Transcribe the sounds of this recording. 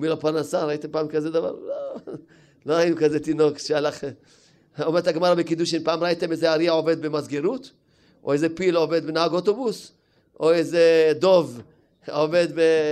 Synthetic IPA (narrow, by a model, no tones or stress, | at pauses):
milopaʁnasaɾait̪empaːmkazed̪ava̰ɾlo | loainukazet̪ino̞kʃealaχe | omeɾet̪aɡmaʁabekid̪uʃinpaːmʁait̪emezeaɾiao̞ve̞d̪̚bemazɡeɾut̪ | ʔo̞̰ezepilove̞d̪benaaɡot̪obus | ʔoezed̪o̞v | ove̞d̪be